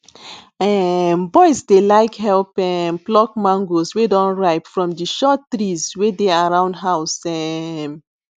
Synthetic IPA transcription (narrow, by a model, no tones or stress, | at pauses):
ɛmbɔɪsdelaɪkɦɛlpɛmplɔk̚mãŋɡoswedɔ̃nɹaɪpfɹɔ̃mdiʃɔttɹizwedeaɹãʊ̃ndɦaʊsɛm